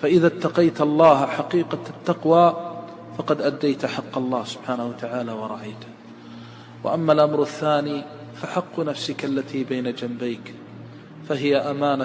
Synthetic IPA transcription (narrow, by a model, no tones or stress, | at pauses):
faʔɪðat̪ːɑqɑjt̪ɑlˤːɑːhħɑqiːqɑt̪ːɑqwaː | fɑqɑd̪ʔad̪ːajt̪ħɑqːɑlˤːɑːhsʊ̥b̥ħaːnahuwat̪aʕaːlawɑɾˤɑʕajt̪ | wa̰ʔamːalʔamɾaθːaːniː | faħɑqːnafsɪkalːat̪ʰiːbajnad͡ʒambajk | faɦɪjaʔamaːna